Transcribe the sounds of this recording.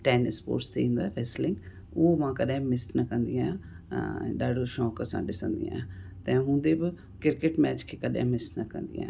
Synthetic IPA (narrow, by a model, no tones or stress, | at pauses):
ʈɛːnspo̰ːɾʈst̪eĩːnd̪aːɾɛslɪ̃ŋɡ | ʊmãːkəɗɛ̃ːmɪsnakə̃nd̪ijã | ɗaːɽoːʃɔːkəsã̰ːɗɪsə̃nd̪ḭːãːt̪ɛ̃ːɦʊ̃nd̪eːbɪ | kɪɾkɪʈmɛːt͡ʃkʰeːkəɗḛ̃ːmɪsnakə̃nd̪ḭjã̰ː